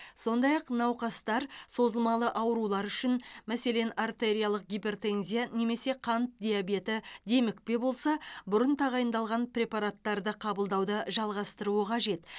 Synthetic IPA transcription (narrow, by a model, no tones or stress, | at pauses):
so̞nd̪ɑjɑqnɑwqɑst̪ɑɾso̞zəlˠmɑlˠəʔɑwɾulˠɑɾʏʃɪnmæse̞le̞nart̪eɾʲijalˠəq̚ɡʲijpʲe̞rt̪enzʲijane̞me̞se̞qʰɑnt̪̚d̪ʲijabe̞t̪ɪd̪e̞mɪk̚pe̞bo̞lˠsɑbʊɾənt̪ʰɑʁɑjənd̪ɑlˠʁɑnprʲe̞pɑɾat̪ːɑɾd̪əqʰɑbəlˠd̪ɑwd̪əʒɑlˠʁɑst̪əɾuəqʰɑʒe̞t̪